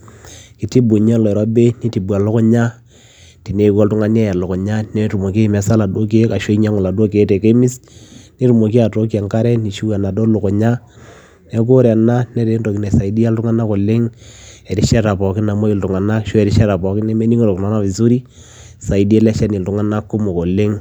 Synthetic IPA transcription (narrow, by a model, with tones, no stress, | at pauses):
ki˨ti˦bu˨ɲɛ˦lɔ˨ɛ˨ɾɔ˦be˦ni˦ti˨bu˨a˨lʊ˦kɔ˦ɲa˦ | ti˨ne˨kɔ˦ltʊ˦ŋa˦n˦ɛ˦ja˨lʊ˨kɔ˨ɲa˦nɛ˦tu˨mo˨ke˦˨mɛ˨˦sa˦la˨do˦k̬i˦ka˨ʃo˦i˦ɲa˦ŋʊ˨la˨do˦ke˨˦tɛ˨ke˦mi˦sni˦tu˨mo˨ki˦a˨to˦k̬i˦a˨ŋka˦ɾɛ˦ni˨ʃu˦wɛ˨na˨dɔ˦lʊ˨kɔ˨ɲa˦ | nɛ˦k̬o˦ɾɛ˨na˦nɛ˦te˨˦nto˨ki˨nɛ˨sa˨i˨˦di˦a˦ltʊ˦ŋa˦na˦ko˨lɪ˦ŋɛ˨ɾi˦ʃɛ˦ɾa˨pɔ˨kɪ˦na˨mo˦i˨ltʊ˨ŋa˨na˦ʃo˦ɛ˨ɾi˦ʃɛ˦ɾa˨pɔ˨kɪ˦nɛ˦me˦ni˦ŋ˦ɾo˨kna˦na˦fi˨su˦ɾi˦ | sa˨i˨di˦lɛ˦ʃɛ˦ni˨ltʊ˦ŋa˦na˦kːʊ˦mo˨ko˨lɪ˦ŋ